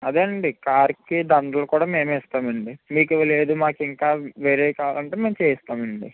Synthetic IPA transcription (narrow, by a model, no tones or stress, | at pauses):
ɐd̪eːɳɖikaːɾkid̪ɐɳɖ̪ɐlɐkuːɽaːme̞ːmɛːst̪aːmɐɳɖimiːkiʋɐle̞ːd̪umaːkiŋkaːʋeːɾeːkaːʋlɐɳʈeme̞ːmt͡ʃeːjɐst̪aːmɐɳɖi